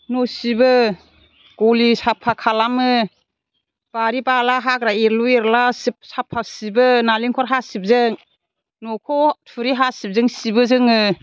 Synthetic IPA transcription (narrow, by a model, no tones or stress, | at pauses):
nɔsibɯ | ɡ̥ɔlisapʰːakʰalamɯ | b̥aɾibalaɦakɾaeɾlueɾlasip̚sapʰːasibɯnaliŋkʰɔɾɦasip̚zɯŋ | nɔkʰɔtʰuɾiɦasip̚zɯŋsibɯzɯŋɯ